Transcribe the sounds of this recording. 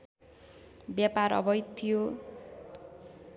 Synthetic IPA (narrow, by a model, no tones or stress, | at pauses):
bjapaɾʌ̰bʌjt̪ʰijo